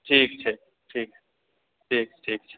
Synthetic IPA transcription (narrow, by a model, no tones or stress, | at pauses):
ʈʰiːk̚t͡ʃʰɛ | ʈʰiːk̚ | ʈʰiːk̚ʈʰiːk̚t͡ʃʰe̥